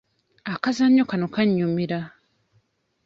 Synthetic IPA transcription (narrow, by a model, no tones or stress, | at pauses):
akazaɲːokanokaɲːumiɾa